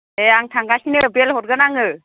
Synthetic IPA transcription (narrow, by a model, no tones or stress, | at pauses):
eaŋtʰaŋɡasinɯbelhɔt̚ɡɯnaŋɯ